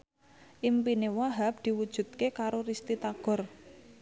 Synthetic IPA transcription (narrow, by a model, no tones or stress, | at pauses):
ʔimpinewaɦap̚d̪̥i̤wud̥ʒ̥ṳt̪̚kekaɾorist̪it̪aɡ̥ɔ̤r